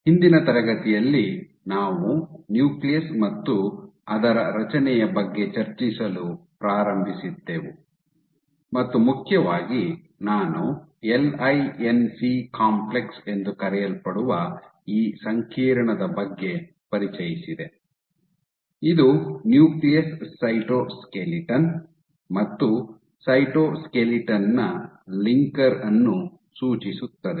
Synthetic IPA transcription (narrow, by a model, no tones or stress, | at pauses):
hind̪inɐt̪ɐɾɐɡɐt̪ijɐlːi | naːʋunjuːklijɐsmɐt̪ːuɐd̪ɐɾɐɾɐt͡ʃɐnɛjɐbɐɡːe̞t͡ʃɐɾt͡ʃisɐlupɾaːɾɐmbʱisid̪ːeʋu | mɐt̪ːumukʰjɐʋaːɡi | naːnuelɐjensikaːmplekse̞nd̪ukɐɾɛjɐlpɐɽuʋɐ | iːsɐŋkʰiːɾɐɳɐd̪ɐbɐɡːe̞ | pɐɾit͡ʃɐjisid̪e | id̪unjuːklijɐssɐjʈoːskeliʈɐn | mɐt̪ːu | sɐjʈoːskeliʈɐnːɐ | liŋkɐɾɐnːu | suːt͡ʃisut̪ːɐd̪e